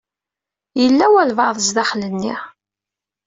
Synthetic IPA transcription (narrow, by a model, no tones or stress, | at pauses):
jəlːæwælvɑðˤəzðæχlənːiʁ